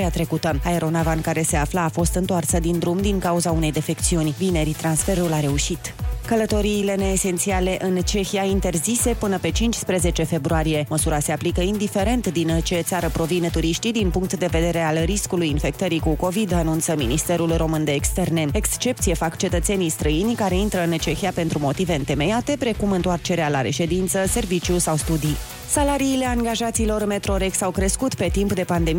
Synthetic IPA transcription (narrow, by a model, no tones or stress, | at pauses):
eat̪ɾe̞kut̪əae̞ɾʔo̞navankaɾe̞se̞aflaːfo̞st̪ɨnt̪oarsəd̪ind̪ɾumd̪iŋkauzaune̞jd̪e̞fe̞k̚t̪siunʲvine̞ɾit̪ɾansfe̞ɾulaɾe̞uʃit̪kələt̪o̞ɾiːle̞ne̞ːse̞nt̪siale̞ʔɨnt͡ʃe̞xiaint̪e̞rzise̞pɨnəpe̞t͡ʃint͡ʃʲspɾe̞ze̞t͡ʃe̞fe̞bɾuaɾije̞məsuɾase̞aplikəind̪ife̞ɾe̞nt̪d̪int͡ʃe̞t̪saɾəpɾo̞vint̪uɾiʃt̪id̪inpuŋkt̪d̪e̞ve̞d̪e̞ɾe̞alriskulujinfe̞k̚t̪əɾikuko̞vid̪anunt̪səminist̪e̞ɾulro̞mɨnd̪e̞ːkst̪e̞rne̞ekst͡ʃe̞p̚t̪sijefakt͡ʃe̞t̪ət̪se̞nijst̪ɾəinʲkaɾe̞int̪ɾəɨnt͡ʃe̞xiape̞nt̪ɾumo̞t̪ive̞ɨnt̪e̞me̞jat̪e̞pɾe̞kumɨnt̪oart͡ʃe̞ɾealaɾe̞ʃe̞d̪int̪səse̞rvit͡ʃusawst̪ud̪i | salaɾiːle̞aŋɡaʒat̪siːlo̞rme̞t̪ɾoɾe̞ksawkɾe̞skut̪pe̞t̪impd̪e̞pand̪e̞m